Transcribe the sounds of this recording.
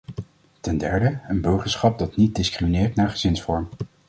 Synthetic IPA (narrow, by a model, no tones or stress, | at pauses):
tɛndɛɹdəənbɵɹχəsχɑp̚dɑtnit̚dɪskriminɪːɹtnaːɹχəzɪnsfɔɹm